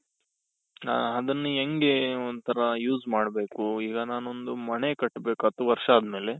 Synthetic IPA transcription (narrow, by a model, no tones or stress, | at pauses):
ɐd̪ɐnːueŋɡeond̪t̪ʰɐɾɐjuːzmaːɽbeːkuiːɡɐnaːnond̪umɐnekɐʈːbe̞ːkuɐt̪uʋɐɾʂɐaaːd̪me̞ːle